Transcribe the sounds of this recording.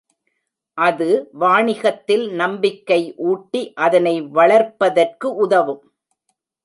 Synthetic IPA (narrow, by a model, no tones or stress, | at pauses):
ʔɐðɯʋaːɳɪɣɐt̪ːɪlnɐmbɪkːɐɪʔuːʈːiʔɐðɐnɐɪʋɐɭɐɾpːɐðɐrkɯʔʊðɐʋɯm